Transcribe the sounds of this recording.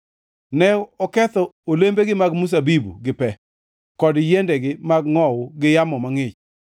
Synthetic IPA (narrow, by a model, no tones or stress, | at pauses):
nɛɔkɛt̪ɔolembeɡɪmaɡmus̬abibṵɡɪpɛ | kɔdjendɛɡɪmaɡŋɔwɡɪjamɔmaŋɪt͡ʃ